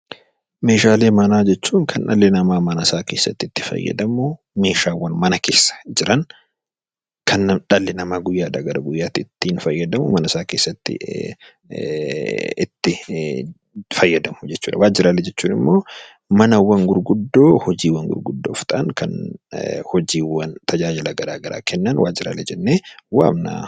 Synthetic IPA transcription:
me̞ːʃaːle̞ːmɐnaːd͡ʒɛt͡ʃːuːŋkʰɐnᶑɐ̰lːɪnɐmaːmɐnɐsaːke̞ːsːɐ̰t̪ːɪt̪ːɪ̥fɐ̰jːɐ̰d̪ɐmʊ | me̞ːʃaːwːɐnmɐnɐkeːsːɐ̥d͡ʒɪɾɐŋ | kʰɐnːᶑɐlːɪnɐmaːɡʊjːaːᶑ̪ɐɡɐɾɐɡʊjːaːt̪ɪɪt̪ːiːnfɐjːɐd̪ɐmʊmɐnɐsaːke̞ːsːɐt̪ːɪ̰ | ɪt̪ːɪ | fɐjːɐd̪ɐmʊ̥d͡ʒɛt͡ʃːuːᶑɐwaːd͡ʒɪɾaːlɛd͡ʒɛt͡ʃːuːnɪmːo̞ː | mɐnɐwɐŋɡʊɾɡʊd̪ːo̞ːhɔd͡ʒiːwːɐŋɡʊ̰ɾɡʊd̪ːoːft̪ɐʔaŋkɐn | hɔd͡ʒiːwɐnt̪ʰɐd͡ʒaːd͡ʒɪlɐɡɐɾaːɡɐɾa̰ːkʰɛnːɐnwa̰ːd͡ʒɪɾa̰ːlɛd͡ʒɛnːeːwa̰ːmna̰ː

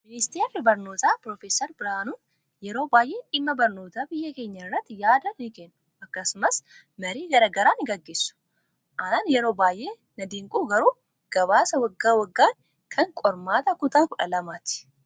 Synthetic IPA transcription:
mɪnɪst̪eːɾbɐɾno̞ːt̪aːpɾoːfeːsɐɾbɪɾanun | jɛɾo̞ːbaːjʔeːʔɪmːɐbɐɾno̞ːt̪ɐbɪjːɐke̞ːɲːɐrːɐt̪ːjaːd̪ɐnɪnɪkeːnːʊ̥ʔɐkːɐsʊmɐs | mɐɾiːɡɐɾɐɡɐɾanɪɡɐɡːe̞ːsːʊ̥ | ʔɐnnjɛɾo̞ːbaːjʔeː | nɐd̪iːŋkʼuːɡɐɾuː | ɡ̥ɐβaːsɐwɐɡːaːwɐɡːaːn | kʰɐŋkʼɔɾmaːt̪ɐkʊt̪aːkʊᶑɐlɐmaːt̪ɪ̥

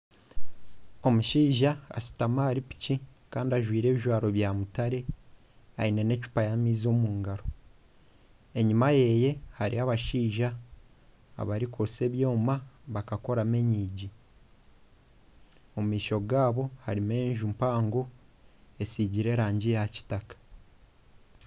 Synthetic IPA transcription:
o̞muʃiːʒa̰ːsi̥tamaːɾipi̥cikaːndiaʒwiːɾe̞ːβiʒwaːɾo̞βjamutaɾe̞ | aine̞ne̞t͡ʃu̥pajamiːzo̞ːmuːŋɡaɾo̞ | e̞ɲimaje̞je̞haɾḭaβaʃiːʒa̰ː | βaɾikʰose̞βjo̞ːmaβakako̞ɾame̞ɲiːɟi | omumiːʃo̞ɡaːβo̞haɾime̞ːɲʒumpaːŋɡo | esiːɟiɾe̞ːɾaːɲɟijaci̥takḁ

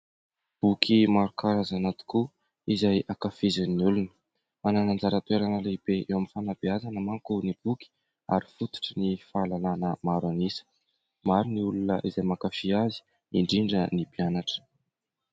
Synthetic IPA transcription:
b̥ukʰimaɾukaɾazanat̪u̥ku | izajakafizaniulunə̥ | mananand͡zaɾət̪weɾanəleib̥eʔewamifanab̥iazanəmaŋkunib̥uki̥ | a̰ɾi̥fut̪u̥ʈ͡ʂinifalananəmaɾanisə̥ | maɾiniulunə̰ʔizajmakafiazi̥ | iɳɖ͡ʐiɳɖ͡ʐənipianaʈ͡ʂə̥

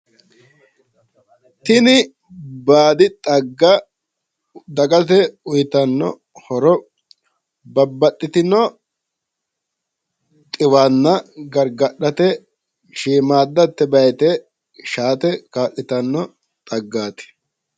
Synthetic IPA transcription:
t̪ɪnɪ | baːd̪ɪt̪ʼɐɡːɐ | d̪ɐkʼɐt̪̬ɛʊjt̪ɐnːɔ̰ | hɔɾɔ | bɐbːɐtʼːɪt̪ɪnɔ | t̪ʼɪwaːnːɐɡɐɾɡɐɗɐt̪ɛ | ʃiːmaːd̪ːɐt̪ːɛbɐjɛt̪ɛ | ʃaːt̪ɛkaːʔɪt̪ɐnːɔ | t̪ʼɐɡːaːt̪ɛ̥

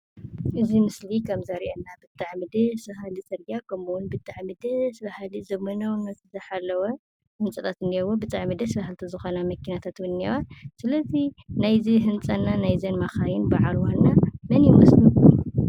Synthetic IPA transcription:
ʔɨzimɨslikʰɐmzaɾiʔenːabɨt̪ʼːaʕmid̪ɐsahalit͡sʼɐɾɡakʰɐmuwunbɨt̪ʼːaʕmid̪ɐsbahlizɐmɐnɐwnɐt̪ʰzɐħalːɐwɐ | hɨnt͡sʼɐt̪ʰʼat̪ɨnihɐwobɨt̪ʼaʕmid̪ɐsβahalt̪ʰɐzɨxonamɐkʰːinat̪ʰat̪wɨnːewasɨlɐzinajziɦɨnt͡sʼɐnːanajzɐnmaxajɪnbaʕalwalnamɐnjɪmɐsluu

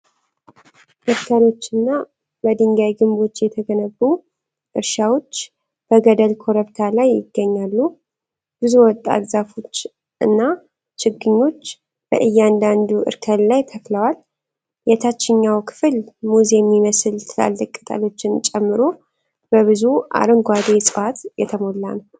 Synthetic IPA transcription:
ʔɨɾkʰalo̞t͡ʃːɨnːa | bəd̪ɨŋɡajɡɨmbo̞t͡ʃːjɛt̪ʰəɡənəbːu | ʔɨɾʃawo̞t͡ʃː | b̥əɡəd̪əlkʰo̞ɾəβt̪ʰalajːɪ̰ɡːəɲːalːu | b̥ɨzuwɔt̪ʼːa̰ɡzafo̞t͡ʃː | ʔɨ̰nːa | t͡ʃʰɪɡːɨɲːo̞t͡ʃː | b̥ə̰ʔɨjːand̪and̪uʔɨ̰ɾkʰəllajt̪ʰəfləwal | jɛt̪ʰat͡ʃːɪɲːawkʰɨ̥fɨlmuzemːiməsɨlt̪ʰɨla̰lːəkʼːɨt̪ʼa̰lo̞t͡ʃːɪnt͡ʃʼɛmːɨɾo̞ | b̥əβɨzua̰ɾɨŋɡʷad̪esʼɨfat̪jɛt̪ʰəmo̞lːanə

